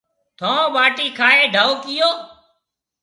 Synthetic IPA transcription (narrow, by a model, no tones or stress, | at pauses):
t̪ʰõːɓaːʈiːkʰaːeːɖʱaːoːkɪjoː